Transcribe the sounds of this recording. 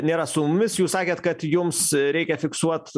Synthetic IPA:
nʲeːɾɐsʊmʊmʲɪsjuːssɑːkʲeːt̪kɐt̪jʊmsɾʲɛɪkʲɛfʲɪksuɔt̪

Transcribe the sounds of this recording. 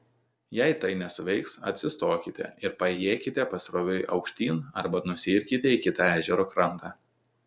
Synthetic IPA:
jɛɪt̪ɐɪnʲɛsʊʋʲɛɪksɐ̰t̪ʲsʲɪst̪oːkʲɪt̪ʲɛ̰ɪɾpɐjeːkʲɪt̪ʲɛpɐsʲɾoːʋʲʊɪʔɐ̰ʊkʃʲt̪ʲiːnɐɾbɐnʊsʲiːɾʲkʲɪt̪ʲɛikʲɪt̪ɑæːʒʲɛɾoːkɾɐnt̪ɑː

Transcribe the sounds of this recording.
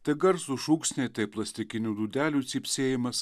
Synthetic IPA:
t̪ɐɪɡɐɾsuːʃuːksʲnʲɛɪt̪ɐɪplˠɐsʲt̪ʲɪkʲɪnʲuːd̪uːd̪ʲæːlʲuːt̪sʲiːpʲsʲeːjɪmɐs

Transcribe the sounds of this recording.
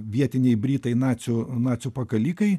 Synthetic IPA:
ʋʲiɛt̪ʲɪnʲɛɪbʲɾʲiːt̪ɐɪnɑːt̪sʲʊnɑːt̪t͡s̪ʲsʲʊpɐkɐlʲiːkɐɪ

